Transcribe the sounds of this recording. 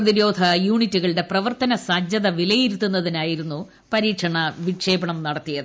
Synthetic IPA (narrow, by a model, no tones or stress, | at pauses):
ɐðiɾo̞ːd̪ʱʰɐjuːɳitːuɣɐɭɽe̞prɐʋɐrt̪ɐnɐsɐd͡ʑjɐðɐʋilɐjiɾut̪ːunːɐðinaːjiɾunːu | pɐɾiːkʂɐɳɐʋikʂeːbɐɳɐmnɐɽɐt̪ːijɐðɨ